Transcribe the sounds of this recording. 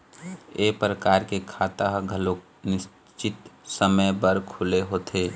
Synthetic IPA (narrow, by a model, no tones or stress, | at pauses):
eːpɾəkaːɾkekʰaːt̪aɦɡʱəlo | nɪs | t͡ʃɪt̪səməjbəɾkʰʊleɦoːt̪ʰeː